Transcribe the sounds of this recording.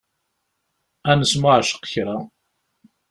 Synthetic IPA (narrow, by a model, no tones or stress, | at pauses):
ænəsmʊʕʃə̥qçɾa